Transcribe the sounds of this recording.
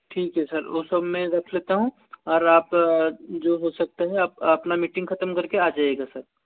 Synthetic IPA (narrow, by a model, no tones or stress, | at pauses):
ʈʰiːkɦɛsɐɾʊsɐbʱmẽɾɐkʰleːt̪aɦũ | ɔːɾaːp | d͡ʒoːɦosɐk̚t̪eɦɛ̃ɐp̚ɐpnamiːʈɪ̃ŋɡkʰɐt̪əmkɐɾkeaːd͡ʒaːeɡasɐɾ